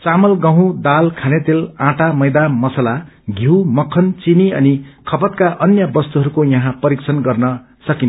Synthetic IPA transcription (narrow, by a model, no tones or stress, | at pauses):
t͡samʌlɡʌɦũd̪alkʰanet̪elãʈamʌjd̪amʌsʌlaɡʱiwmʌkʰːʌnt͡siniʌnikʰʌpʌt̪̚kaʔʌnjʌbʌst̪uɦʌɾukojʌɦãpʌɾiksʰʌnɡʌrnʌ | sʌkin